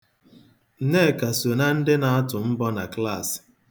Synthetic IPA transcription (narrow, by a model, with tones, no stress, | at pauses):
n̩˨ne˦˨ka˨so˨na˦n̩˦dɪ˦na˨ɔ˦tʊ˨m̩˦bɔ˦na˨kla˦˨s